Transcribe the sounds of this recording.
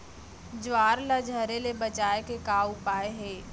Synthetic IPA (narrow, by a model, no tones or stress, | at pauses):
d͡ʒʋaːɾlad͡ʒʱəɾelebɐt͡ʃaːekekaːʊpaːeɦeː